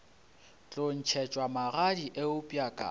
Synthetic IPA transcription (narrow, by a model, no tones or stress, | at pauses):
t͡ɬʼon̩t͡ʃʰɛt͡ʃʼwamaɣadiʔeʊpʼjakʼa̰